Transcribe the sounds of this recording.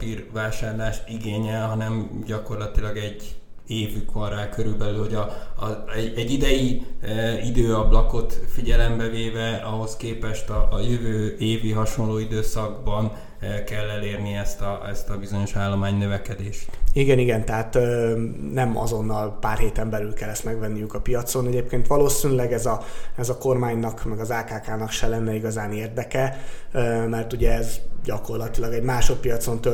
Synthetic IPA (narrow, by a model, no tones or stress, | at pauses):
irvaːʃaːrlaːʃiɡeːɲɛlɦɒnɛmɟɒko̞rlɒt̪ilɒɡɛɟː | eːvykʋɒnraːkøɾylbɛlylho̞ɟɒ | ɛɟːid̪ɛji | id̪øːɒblɒko̞t̪fiɟɛlɛmbɛveːvɛɒɦo̞skeːpɛʃt̪ɒʔjøvøːeːviɦɒʃo̞nloːid̪øːsɒɡbɒn | kɛlːɛleːrniɛst̪ɒɛst̪ɒbizo̞ɲo̞ʃaːlːomaːɲnøvɛkɛd̪eːʃt̪iɡɛniɡɛnt̪ɛɦaːt̪ː | nɛmɒ̰zo̞nːɒlpaːrɦeːt̪ɛmbɛlylkɛlːɛst̪mɛɡʋɛnːijykɒpijɒt̪sonɛɟeːpkeːnt̪ʋɒloːsinylɛɡɛzɒɛzɒko̞rmaːɲnɒkmɛɡɒzaːkaːkaːnɒkʃɛlɛnːɛiɡɒzaːneːrd̪ɛkɛ | mɛrt̪uɟɛːzɟɒko̞rlɒt̪ilɒɡɛɟmaːʃo̞t̪pijɒt̪so̞nt̪ø